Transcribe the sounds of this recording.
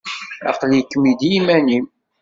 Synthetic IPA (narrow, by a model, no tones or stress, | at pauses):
ɑ̰qljəkːmid̪jimænim